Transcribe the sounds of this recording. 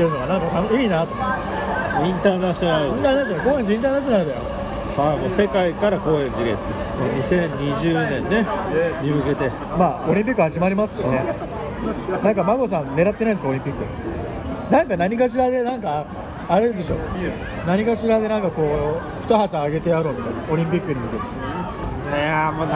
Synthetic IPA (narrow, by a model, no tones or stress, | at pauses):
t̪ːeɾɯnoɡanãŋkat̪anoiːnat̪o | ĩnt̪aːnaɕionaɾĩnt̪anaɕko̞ːeɲd͡ʑeĩnt̪̬aːnaɕ̬ionaɾɯd̪ajo | hamose̞kaikaɾako̞ːẽ̞ɲd͡ʑiɡḛt̪ːemoɲisẽ̞ɲɲiʑɨːnẽ̞nːe̞mʲimɯ̟ke̞t̪e̞ | maːo̞ɾʲĩmpʲikːɯ̟haʑimaɾʲimasɨ̥ɕine | nãŋkamaɡo̞sãmne̞ɾat̪ːenaĩd̪sɨkaoɾʲĩmpʲikːɯ | nãŋkanaɲ̟ikaɕ̬iɾad̪e̞nãŋkaː | ɾed̪e̞ɕo̞ː | naɲ̟ikaɕiɾad̪e̞nãŋkako̞ː | ɸɯ̟̥t̪ahat̪aːɡe̞t̪e̞aɾoːmʲit̪ajnao̞ɾʲĩmpʲikːɯ̟ɲ̟imɯ̟ke̞t̪e | amo